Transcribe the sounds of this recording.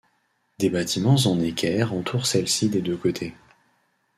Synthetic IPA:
d̪ebat̪ʰimɑ̃zɑ̃nekʲʰɛʁɑ̃t̪ʰuʁsɛlsid̪ed̪økot̪ʰe

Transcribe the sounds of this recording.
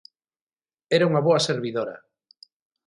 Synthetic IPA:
ɛɾauŋɐβoɐseɾβiðoɾɐ̰

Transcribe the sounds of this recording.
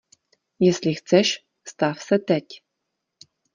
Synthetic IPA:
jɘ̆slʲixt͡sɘɕ | st̪ɑfsɐt̪ætʲ

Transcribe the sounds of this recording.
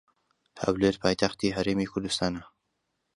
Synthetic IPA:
ha̰wleːɾpʰɑːjt̪ʰaxt̪iːɦɐɾeːmiːkʰʊɾd̪ɨst̪ɑːna

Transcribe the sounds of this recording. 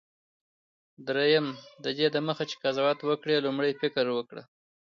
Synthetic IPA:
d̪ɾejəmd̪əd̪ed̪əməxat͡ʃe̥kazawɑt̪wəkɽelumɽəjfɪkɾwəkɽa̰

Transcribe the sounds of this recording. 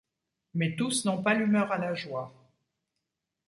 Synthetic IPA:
mɛt̪usnɔ̃palymœʁalaʒwa

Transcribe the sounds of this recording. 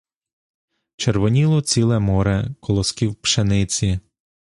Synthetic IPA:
t͡ʃeɾʋɔnʲilˠɔt͡sʲilˠɛmɔɾɛkɔlˠɔskʲiwpʃenɪt͡sʲi

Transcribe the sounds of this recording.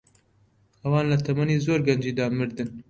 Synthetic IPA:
hɐwɑːnlɐt̪ʰɐmɐniːzoːɾɡɐnd͡ʒiːd̪ɑmɨɾd̪ɨn

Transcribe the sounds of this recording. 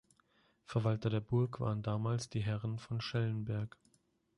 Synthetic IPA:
fɛɐvaltɐɾeːɐbʊɐkv̥a̰ːʁəndaːmaːlsd̥iːɦɛʁənfɔnʃɛlənbɛɐk

